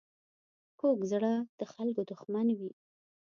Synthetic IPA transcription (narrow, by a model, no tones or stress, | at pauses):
kokzɽad̪̥əxalkod̪ʊxmanwi